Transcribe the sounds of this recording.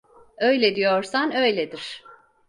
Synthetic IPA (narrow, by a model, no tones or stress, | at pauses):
ø̞jlʲɛd̪ijoɾsanø̞jlʲed̪iɾ̥